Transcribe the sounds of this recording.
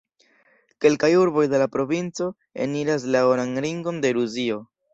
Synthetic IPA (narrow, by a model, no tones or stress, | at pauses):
ke̞lkajuɾbo̞jde̞lapɾo̞vint͡so̞ | ḛniɾas̬laoɾanɾiŋɡo̞nde̞ɾuzio̞